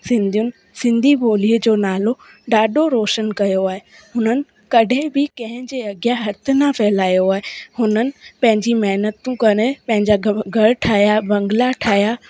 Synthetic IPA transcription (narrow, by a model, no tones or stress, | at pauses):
sɪ̃nd̪ʱiʊnɪ̆ | sɪ̃nd̪ʱibʱoːliːəd͡ʑoːnaːlo | ɖaːɖoɾoːʃənkɐjoaːɦe | ɦʊnənɪ̆ | kɐɖʱɪ̃bɪkɐ̃ɦɪ̃d͡ʑeɐɡjaɦɐɾt̪ʰɪ̆nafɛɦɪlaːijoaːɦehʊnənɪ̆pɐ̃ɦɪ̃ɲd͡ʑimɐɦnət̪ũkɐɾ̃epɐ̃ɦɪ̃ɲd͡ʑaɡʱɐɽʈʰaːjabɐ̃ŋɡlaʈʰaːɦija